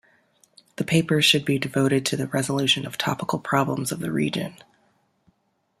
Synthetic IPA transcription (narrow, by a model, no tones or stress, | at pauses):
ðɨpʰeɪpə̥˞ʃɨd̚bidɨvoʊɾɨd̚tʰɨðɨɹɛzəlʉʃɨ̃nʌv̥tʰɑ̰pəkl̩ˠpʰɹ̥ɑblə̃mzʌvðɨɹḭd͡ʒɨ̰̃n